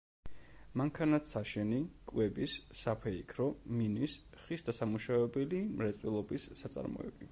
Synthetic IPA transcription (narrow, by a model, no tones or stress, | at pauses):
maŋkʰanat̪saʃɛnikʼwɛbisːapʰɛikʰɾɔminis | χisd̪asamuʃavɛbɛlimɾɛt̪sʼwilˠɔbisːat̪sʼa̰ɾmɔ̰ɛ̰bni